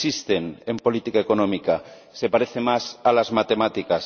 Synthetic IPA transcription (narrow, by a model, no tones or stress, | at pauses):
ist̪enempo̞lit̪ikaekonõmika | sepaɾeθemasalazmat̪e̞mat̪ikas